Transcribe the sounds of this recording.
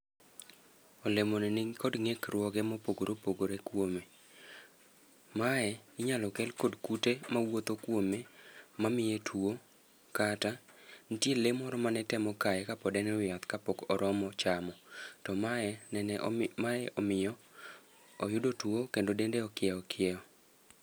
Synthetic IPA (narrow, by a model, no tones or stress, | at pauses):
ɔlemonɛnɪkʰɔdŋekɾwɔɡɛmɔpoɡoɾopoɡoɾekwome | maɛɪɲalɔkɛlkɔdkutemawot̪okwomemamɪjetʰwo | katanitjelemɔɾɔmanɛtɛmɔkajɛkapɔdɛnɛwɪjat̪kapɔkɔɾʔɔmɔt͡ʃamɔtɔmaɛnɛnɛʔmaɛʔɔmɪjɔː | jʊdotwokendodendeɔkɪɛɔkʰɪɛɔ